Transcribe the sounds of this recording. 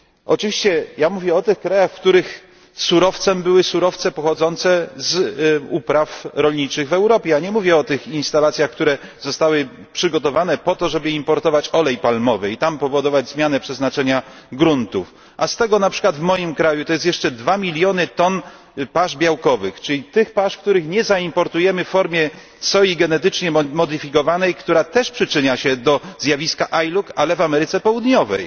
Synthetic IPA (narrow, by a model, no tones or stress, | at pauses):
ɔ̰t͡ʂɨvʲiɕt͡ɕɛjamuvʲjɛɔt̪ɘxkɾajaxfkt̪uɾɘx | suɾɔft̪sɛmbɘwɘsuɾɔft̪sɛpɔxɔd̪zɔnt̪sɛzupɾafɾɔlɲit͡ʂɘɣvɛwɾɔpʲjɛjaɲɛmuvʲjɛɔt̪ɘxinst̪alat̪sʲjaxkt̪uɾɛzɔst̪awɘ | pʂɘɡɔt̪ɔvanɛpɔt̪ɔʐɛbɘimpɔɾt̪ɔvat͡ɕɔlɛjpalmɔvɛit̪ampɔvɔd̪ɔvad͡ʑzmʲjanɛpʂɛznat͡ʂɛɲaɡɾunt̪uf | ʔast̪ɛɡɔnapʂɘ̥kwad̪vmɔjimkɾajut̪ɔjɛst̪jɛʂt͡ʂɛd̪vamʲilʲjɔnɘt̪ɔn | paʐbʲjawkɔvɘxt͡ʂɘlʲit̪ɘxpaʂkt̪uɾɘxɲɛzaimpɔɾt̪ujɛmɘffɔɾmʲjɛ | sɔiɡɛnɛt̪ɘt͡ʂɲɛmɔd̪ɘfʲikɔvanɛjkt̪uɾat̪ɛʂpʂɘt͡ʂɘɲaɕɛd̪ɔzjavʲiskaʔajlukalɛvamɛɾɘt̪sɛpɔwud̪ɲɔvɛ̰j